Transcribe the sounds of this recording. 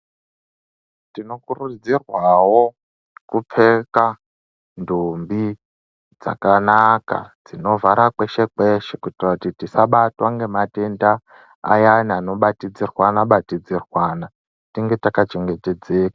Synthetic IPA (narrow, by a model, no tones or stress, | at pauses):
tino̞kurud͡zirwawo | kup͡feka | ndumbi | d͡za̰kanaka̰d͡zino̞vaɾakwe̞ʃekeʃekuitirautitisaɓatwaŋɡe̞matenda | a̰janiano̞ɓatid͡zirwanaɓatid͡zirwana | tiŋɡe̞takat͡ʃeŋɡeted͡zeːkḁ